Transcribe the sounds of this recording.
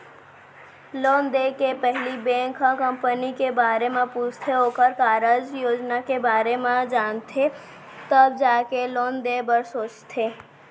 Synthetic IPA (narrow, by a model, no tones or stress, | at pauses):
loːnd̪eːkepɛɦlibɛ̃ːŋkakə̃mpənikebaːɾemẽpuːt͡ʃʰt̪ʰeɦoːkəɾkaːɾəd͡ʒjoːd͡ʒnakebaːɾemẽd͡ʒaːnt̪ʰe | t̪əbd͡ʒaːkeloːnd̪ebəɾsoːt͡ʃt̪ʰeː